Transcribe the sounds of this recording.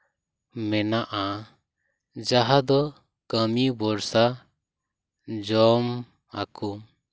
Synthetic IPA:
mɛnaʔa | d͡ʒaɦad̪ɔ | kəmibɔɾsa | d͡ʒɔm | a̰kum

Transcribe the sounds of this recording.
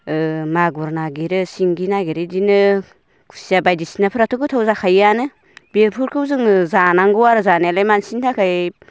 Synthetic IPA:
ɯmaɡuɾnaɡiɾɯsiŋɡinaɡiɾɯdinɯ | kʰu̥sijabajdisinapʰɯɾatʰukʰɯtʰawzakʰajanɯ | beɾpʰuɾkʰɯwzɯŋzanaŋɡɯwaɾɯzanelajmansintʰakʰaj

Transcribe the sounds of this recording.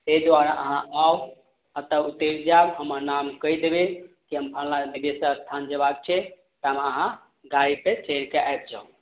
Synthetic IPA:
t̪ed̪ʋaɾa̰ʔəɦãʔaw | at̪əut̪eɾd͡ʒabɦəməɾnamkəjd̪ebe | kiɦəmpʰənlabibesə̃əst̪ʰand͡ʒəbak̚t͡ʃʰɛ | t̪əɦəmeəɦã | ɡaɾipet͡ʃeɾkeʔajb̚d͡ʒaũ

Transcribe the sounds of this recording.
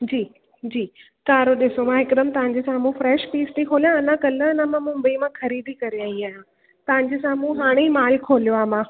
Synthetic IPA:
d͡ʑiː | d͡ʑiː | kaːɾoɗɪsomãɦɪkd̪əmt̪ɐʋãɲ̆d͡ʑesãmũːfɾɛːʃpiːst̪ikʰoːlijãɐnãkɐləɐnãmãmʊ̃mbəimãxɐɾiːd̪ʱikɐɾijãiːaːɦjã | t̪ɐʋ̤ə̃ɲd͡ʑesãmũɦaːɽ̃eiːmaːlkʰoːljoaːmãː

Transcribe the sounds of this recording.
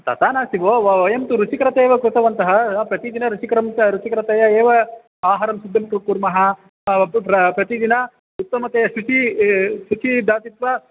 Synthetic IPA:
t̪ɐ̰t̪aːnaːsiʋoːʋɐʋɐjɐmt̪uɾut͡ʃikɾɐt̪eːʋɐkɾut̪ɐʋɐnt̪ɐɦɐpɾɐt̪id̪inɐɾut͡ʃikɾɐmɐɾut͡ʃikɾɐt̪ɐjɐeːʋɐ | aːɦɐɾɐmsud̪ʱːɐmkɾukːuɾmɐɦɐ | ɐpɾɐt̪id̪inɐ | ut̪ːɐmɐt̪ejɐʃut͡ʃiʃut͡ʃid̪aːt̪it̪ʋɐ

